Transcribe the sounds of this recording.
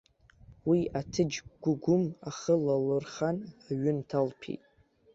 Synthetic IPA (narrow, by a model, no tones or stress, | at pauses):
wiatʰɨd͡ʒɡʷʊɡʷʊmaχəlalɨrχanaɥʏntʰalpʰḭjtʼ